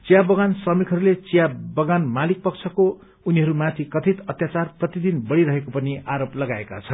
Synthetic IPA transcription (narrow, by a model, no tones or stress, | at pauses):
t͡sijabʌɡansʌmikɦʌɾulet͡sijabʌɡanmalik̚pʌkt͡sʰʌko | uniɦʌɾumãt̪ʰikʌt̪ʰit̪ʌt̪jat͡sarprʌt̪id̪inbʌɽiɾʌɦekopʌniʔaɾoplʌɡaeka̰t͡sʰʌn